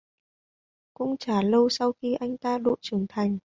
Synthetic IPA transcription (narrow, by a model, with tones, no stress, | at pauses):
kʊ̰˧˥ŋ͡mt͡ɕaː˧˩lə˧wsa˧wxi˧ʔa˧jŋ̟t̪aː˧ɗo̰˧˨t͡ɕɨ˨˩ŋt̪ʰa˨˩jŋ̟